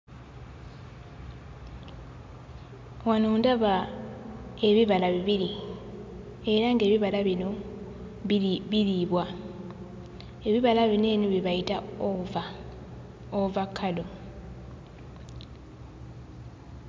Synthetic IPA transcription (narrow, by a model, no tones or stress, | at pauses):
wanoːndaβa | e̞βiβalaβiβiɾi | e̞ɾaŋɡe̞ːβiβalaβino | βiliːβwa | e̞βiβalaβine̞ːnuβiβaitaa | ovakʰalo̞